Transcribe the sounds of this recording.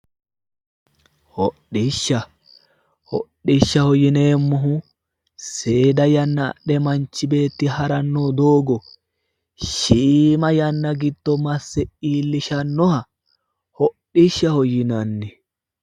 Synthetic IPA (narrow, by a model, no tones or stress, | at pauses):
hɔɗːɪʃːɐ | hɔ̰ɗːɪʃːɐhɔjɪneːmːɔɦʊ | se̞ːd̪ɐjɐnːɐ̰ːɗɛmɐnt͡ʃːɪbe̞ːt̪ːɪhɐɾɐnːoːd̪o̞ːɡɔ | ʃiːmɐjɐnːɐɡɪd̪ːɔmɐsːɛiːlːɪʃɐnːɔhɐ | hɔɗiʃːɐhɔjɪnɐnːɛ